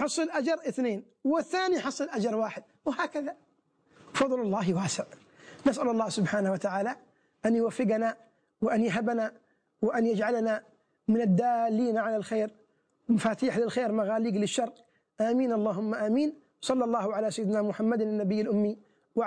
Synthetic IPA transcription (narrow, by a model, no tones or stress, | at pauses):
ħɑsˤːɨlʔad͡ʒɑɾˤʔɪθneːn | wɪθːaːniħɑsˤːɨlʔad͡ʒɑɾˤwaːħɪd̪̚ | wɪhaːkaða | fɑðˤlɑlˤːɑːɦwaːsɪʕ | nasʔalʊlˤːɑːhsʊbħaːnawat̪aʕaːla | ʔanjʊwafːɪɡana | wɪʔanjɦabana | wɪʔanjad͡ʒʕalana | mɪnɪd̪ːaːlːiːnaʕalalxeːɾ | mafaːt̪iːħlɪlxeːɾmaɣaːliːɡlɪʃːɑrˤ | ʔaːmiːnʔɑlˤːɑːɦʊmːaʔaːmiːn | sˤɑlːɑlˤːɑːhʕalasajɪd̪namʊħamːad̪ɪnːabɪjːalʔʊmːi | w